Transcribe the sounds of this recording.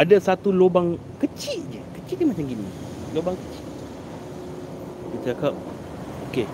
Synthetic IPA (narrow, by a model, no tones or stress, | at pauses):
adasat̪ulobaŋ | kət͡ʃiʔ̪̚d͡ʒəkət͡ʃiʔd͡ʒəmat͡ʃaŋɡinḭ | lobaŋkət͡ʃi̥ʔ̪ | kit̪aakap̚ | oke